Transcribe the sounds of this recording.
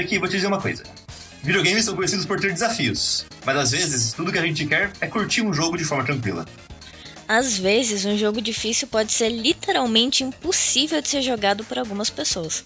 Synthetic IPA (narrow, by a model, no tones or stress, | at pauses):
akivot͡ʃɪd͡ʒɪzeɾũmɐko̰jzɐ | vid͡ʒioɡẽj̃mɪsːɐ̃w̃kõj̃esid̪ʊspoɾt̪eɾd͡ʒɪzafiʊs | mɐzazvezɪst̪ud̪ʊkɪaʒẽnt͡ʃɪkɛɾɛkuɾt͡ʃiɾũʒoɡʊd͡ʒɪfɔɾmɐt̪ɾɐ̃ŋkwḭlɐ̰ | azvezɪzũʒoɡʊd͡ʒifisiwpɔd͡ʒɪseɾlit̪eɾawmẽnt͡ʃɪĩposivewd͡ʒɪ̥seɾʒoɡad̪ʊpʊɾawɡũmɐspesoɐs